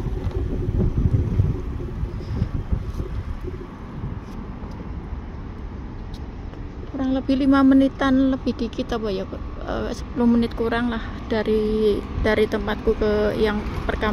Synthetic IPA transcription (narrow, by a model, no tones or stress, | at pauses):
kuɾaŋləb̥ɪhlimamənit̪anləb̥ɪhdikit̪awajak | ə̰sə̥pulʊhmənɪt̪̚kuɾaŋlahd̥aɾid̥aɾit̪əmpat̪̚kukəjaŋpərka